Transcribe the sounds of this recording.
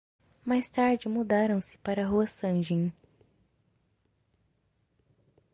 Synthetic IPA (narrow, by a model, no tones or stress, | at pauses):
majst̪aɾd͡ʒɪmud̪aɾɐ̃w̃sɪ̥paɾɐɦuɐsɐ̃ʒẽj̃